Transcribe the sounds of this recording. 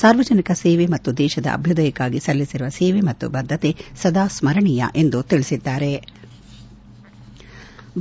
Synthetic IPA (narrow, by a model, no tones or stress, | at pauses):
saːɾʋɐd͡ʒɐnikɐseːʋemɐt̪ːud̪ɛːʃɐd̪ɐ̰ʔɐ̰bʱjud̪ɐjɐkːaːɡisɐlːisiɾuʋɐseːʋemɐt̪ːṵbɐd̪ʱːɐt̪esɐd̪aːsmɐɾɐɳijɐ̰ʔe̞nd̪ut̪iɭisid̪ːaːɾe̞